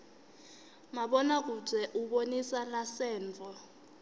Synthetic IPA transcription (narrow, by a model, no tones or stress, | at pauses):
maɓɔnak̬ub͡ʐʱɛʔuɓonisalasɛːnt͡fʼɔ